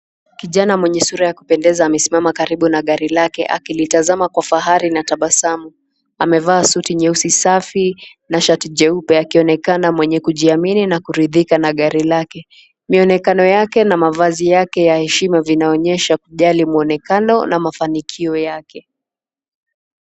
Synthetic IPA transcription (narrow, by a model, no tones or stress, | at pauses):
kiʄanamwɛɲɛsuɾajaku̥pɛndɛzaːmɛsimamakaɾiɓunaɠaɾilakɛ̰ʔa̰kilitazamakwafaɦaɾinataɓasamu | amɛvaːsutiɲɛusisafi | naʃatid͡ʒɛupɛakiɔnɛkanamwɛɲɛkuʄiamininakuɾiðikanaɠaɾilakɛ | miɔnɛkanɔjakɛnamavazijakɛjahɛʃimavinaɔɲɛʃakuʄalimuɔnɛkanɔ̰namafanikʰiɔjakɛ